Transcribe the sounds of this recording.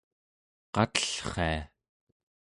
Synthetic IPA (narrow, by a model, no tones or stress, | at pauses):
qɑt̪ə̥ɬχḛa̰